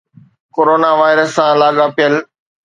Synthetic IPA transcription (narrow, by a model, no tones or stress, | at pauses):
koːɾoːnaʋaːɪɾəsːãlaːɠapijəl